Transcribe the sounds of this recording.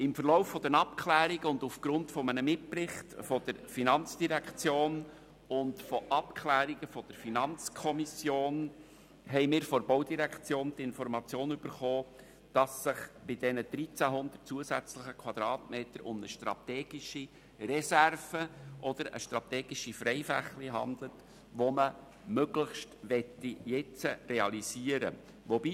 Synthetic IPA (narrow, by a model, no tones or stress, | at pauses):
ɪmfəɾlɔʊfːɔd̥̪ənɑpkʰlæːɾiɡəʊndufɡ̥ɾʊntfɔmənəmɪtprɪχtfɔd̥əɾfinɑnt͡sd̥iɾɛkt͡sjoːn | ʊndfɔʔɑpkʰlæːɾiɡəfɔd̥əɾfinɑnt͡skʰɔmisjoːn | hɛɪmɪːɾfɔɾbɔwdiɾɛkʰt͡sjoːntɪnfɔɾmɑt͡sjoːnyb̥əɾχoː | d̥ɑsːɪχb̥ɪd̥ɛnəd̥ɾit͡sæɦʊnd̪ərt̚t͡suəsæt͡sləχəkʰwɑd̪ɾɑːtmeːtəɾʊmnəʃtɾɑ̰t̪ɛːɡ̥iʃi | rɛsærvəʔɔd̥̪əɾə̰ʃtrɑt̪ɛːɡ̥iʃifɾɛɪfæχliɦɑ̰nd̪lət | ʋɔmə | møɡləχʃtʋɛtːijɛt͡sərɛɑlisiːəɾə̰ | ʋɔbi